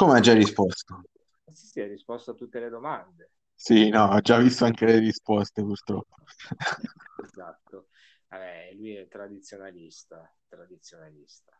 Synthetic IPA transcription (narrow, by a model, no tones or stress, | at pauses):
komead͡ʒarːispɔst̪o | si̥siarːispɔst̪oat̪ːut̪ːeled̪omand̪e | sinɔad͡ʒːavːist̪oaŋkelerispɔst̪epurt̪ɾɔpːo̥ | ezat̪ːo | aɛlujɛt̪ːɾad̪it̪sːjonalist̪a | t̪ɾad̪it̪sjonalist̪a